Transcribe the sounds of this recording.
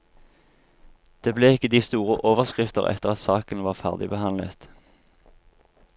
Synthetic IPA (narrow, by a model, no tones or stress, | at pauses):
d̪̥eːbleːɪkːəd̪iːst̪uːʁəʔoːʋəʁskʁɪft̪ə̰ʁɛ̰t̪əʁɑt̪sɑːkənʋɑːʁfæ̰ʁd̪ɪbəhɑnlə̰t̪